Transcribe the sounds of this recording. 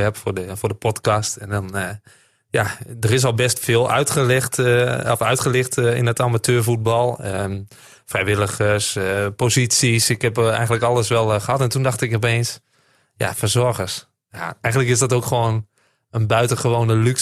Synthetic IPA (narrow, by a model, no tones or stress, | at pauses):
ɛpfʊəfʊːdəpʰɔtkastɛndɔn | jadərɪs̬ɔlˠbɛstfɪːlˠœ̰ɥtəlxtɔfœɥtχəlɪxtɪ̰ndɔtamatʰøːɹfut̚bɑlˠə | frɛjʋɪlˠəɣəspozitsisɪkhɛpɛ̰jɣəntləkɑlˠəsʋɛlˠxəhɑtɛntundɑxtɪkɔp̬eːns | ja̰fərzɔrɣərs | jaɛjɣəntləkɪsdɔtowkxʋoːn | ənbœɥtəχəʋoːnəlyk